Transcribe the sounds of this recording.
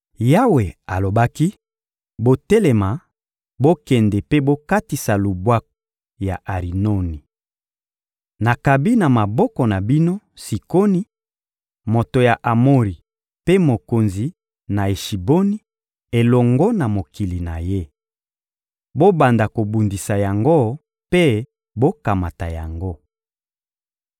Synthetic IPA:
ja˦we˨a˨lo˨ba˦ki˦ | bo˦tɛ˦lɛ˨ma˨ | bo˦kɛ˨ndɛ˨pe˦bo˦ka˦ti˨sa˨lu˨bwa˦k̚ | ja˨ʔa˨ʁi˨no˦ni˨ | na˨ka˨bi˦na˨ma˨bɔ˦kɔ˨na˨bi˦no˦ | si˨ko˦ni˦ | mo˨to˨ja˨ʔa˨mo˦ʁi˨ | pe˦mo˨ko˨nzi˨ | na˨e˨ʃi˨bo˦ni˦ | e˨lɔ˨ŋɡɔ˦na˨mo˨ki˨li˨na˨je˦ | bo˦ba˨nda˨ko˨bu˨ndi˨sa˨ja˨ŋɡo˦ | pe˦ | bo˦ka˨ma˨ta˨ja˨ŋɡo˦

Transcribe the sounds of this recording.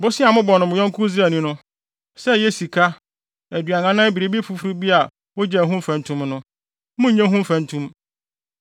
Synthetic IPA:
bʊ˦sɪ˦a˨mʊ̃˦bɔ˨nʊ̃˨mʊ̃˨jɔ̃˦ŋ˦kʰʊ˦zæ˨nĩ˦nʊ̃˦ | sɛ˦jɛ˦si˨kʰa˦ | æ˨dɥa˨ŋã˨nã˦bi˨ɾe˦bi˦fu˨fu˨ɾu˦bi˦a˨ | wɔ˦d͡ʑɛ˨ɦũ˦m̩˦fæ̃˨ntʰũ˦mnʊ̃˦ | mʊ̃˦ɲɛ̃˦ɦũ˦m̩˦fæ̃˨n˦tʰũ˦m

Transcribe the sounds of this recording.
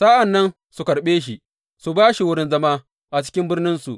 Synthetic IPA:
saː˦ʔa˨nːɐ˦n | su˨kɐ˨ɽɓeː˦ʃ̬i˨ | su˨baː˦ʃi˨wʊ˦ɾɪ˦nzɐ˦maː˦ | ʔa˨t͡ʃɪ̥˦kʲɪ˦mbɪ˦rnɪ˦nsṵ˨ʔ

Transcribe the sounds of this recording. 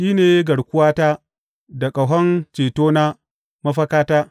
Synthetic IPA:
ʃiː˦neː˨˦ɡɐ˨ɽkʷʊ˦waː˦taː˦ | da˨kʼa˨wɦɐ˦nt͡ʃeː˨toː˦na˦ | mɐ˦ɸɐ˦kaː˦taː˦

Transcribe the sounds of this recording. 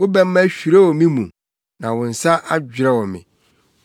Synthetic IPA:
wʊ˦bɛ˦mː˦ã˦ɕᶣi˨ɾɛ˦wɔ˨mĩ˦mũ˨ | nã˨wʊ̃˨n̩˨sa˦ʔa˦d͡ʑᶣɾɛ˦wɔ˨mɪ̰̃˨

